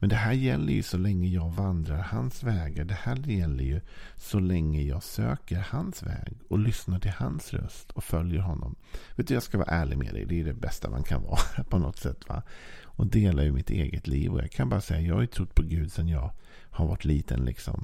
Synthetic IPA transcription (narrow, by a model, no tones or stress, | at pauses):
mɛnd̪ɛɦæːɾjɛlːəɾjɵsɔlɛŋːəjɑːɡvand̪ɾaɾhansvɛːɡaɖɛhæːɾjɛlːəɾjɵsɔlɛŋːəjɑːɡsøːkəɾhansvɛːɡɔlʏsnaʈʰɪlhansɾœ̰st̪ʰɔfœljəɾɦɔnːɔm | veːt̪əjɑskavɑ̰ːaʔæːɭɪɡmɛ̰d̪ɛ̰jd̪ɛd̪ɛbɛst̪ama̰nkʰanvɑːpʰɔnɔt̪sɛt̪ːvaɔd̪eːlajɵmɪt̪ʰeːɡət̪liːvɔ̰jɑ̰ːɡkʰanbɑːɾasɛjːajɑːɡhajt̪ʰɾʊt̪ːpʰɔɡʉ̟ːd̪sɛnjɑːɡ | haɾvaʈʰːliːt̪ʰənlɪksɔm